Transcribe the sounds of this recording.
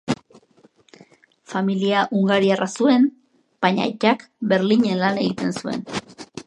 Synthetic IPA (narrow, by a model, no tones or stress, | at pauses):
familiaʔuŋɡaɾiarʔasue̞n | b̥aɲa̰jt͡ʃakbe̞ɾliɲe̞nlane̞ɣit̪e̞nsue̞̰n